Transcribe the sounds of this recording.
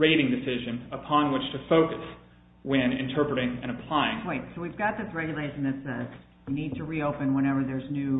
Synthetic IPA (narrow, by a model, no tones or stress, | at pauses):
ɹeɪɾɪ̃ŋdɨsɪʒɨ̃nəpʰɑ̃nwɪt͡ʃtʰɨfoʊkɨs | wɨ̃nɨ̰̃ntʰɜ˞pɹɨɾɪ̃ŋɨ̰̃ñɨpʰl̥aɪɪ̃ŋweɪtsoʊwivɡɑt̪̚ðɪsɹɛɡjɨleɪʃn̩ðɨtsɛz | jɨnid̚tʰɨɹioʊpɨ̃nwɛ̃ɾ̃ɛvə˞ðə˞znʉ